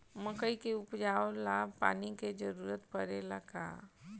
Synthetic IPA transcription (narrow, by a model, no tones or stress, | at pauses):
məkəikeʊpd͡ʒaːolabpa̰ːniked͡ʒəɾuːɾət̪pəɾeləɡa̰